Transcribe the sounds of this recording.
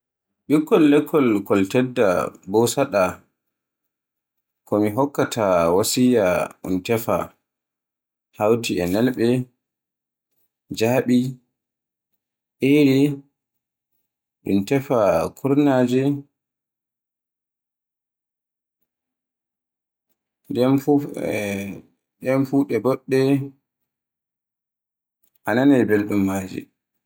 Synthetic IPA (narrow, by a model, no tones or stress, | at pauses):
ɓikːɔlːɛkʰːɔlkɔltɛdːa̰bɔsaɗa | kɔmiɦɔkːatawasijaɗṵntɛfa̰ | hawtiɛnɛlɓɛ | d͡ʒaɓi | ʔeɾi | ɗṵmtɛfakʰuɾnaːd͡ʒɛ | dɛmf | ɗɛmfuɗɛbɔɗːɛ | ʔananɛbelɗumːaːd͡ʒḭ